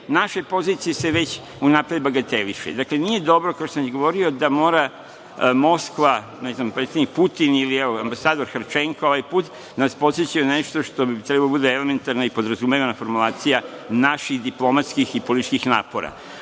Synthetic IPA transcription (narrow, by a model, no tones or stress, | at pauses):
naʃepo̞zit̪sijese̞ʋet͡ɕ | unapɾaʋbaɡat̪eliʃḛd̪akle̞nije̞d̪o̞bɾokaoʃosamjiɡo̞ʋo̞ɾio̞d̪amo̞ːɾa | mo̞skʋa | nɛznampɾet̪sed̪nik̚put̪inilieoambasaːd̪o̞ɾxɾt͡ʃeŋkoo̞ʋajpuːt̪ | d̪anaspo̞t̪set͡ɕajeneʃt̪o̞ʃt̪o̞bit̪ɾebalobud̪eeleme̞nt̪aɾnaipo̞d̪ɾazumeʋanafo̞ɾmulˠaːt̪sijanaʃiɣd̪iplˠo̞mat̪skixipo̞litt͡ʃkixnaːpo̞ɾa̰